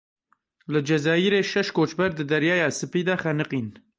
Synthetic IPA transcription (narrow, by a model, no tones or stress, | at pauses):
lɨd͡ʒɛzaːjiɾeːʃɛʃkʰoːt͡ʃbɛɾd̪ɨd̪ɛɾjɑːjɑːsɨpiːd̪ɑːxɛnɨqiːn